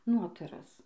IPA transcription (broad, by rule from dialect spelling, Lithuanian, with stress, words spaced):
ˈnoːtɐrɐs